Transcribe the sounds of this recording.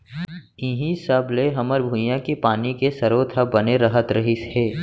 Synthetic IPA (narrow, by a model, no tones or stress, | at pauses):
ɪ̃ɦĩsəbleɦɐməɾbʱʊ̃jãkipaːnikesɐɾoːt̪ʰabɐneɾɐɦət̪ɾɐɦisheː